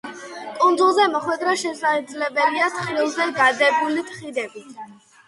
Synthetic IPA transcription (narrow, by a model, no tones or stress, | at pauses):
kʼund̪zulˠzɛmɔχwɛd̪ɾaʃɛsad̪zlɛbɛliat̪ʰχilˠzɛɡad̪ɛbulit̪ʰχid̪ɛbit̪ʰ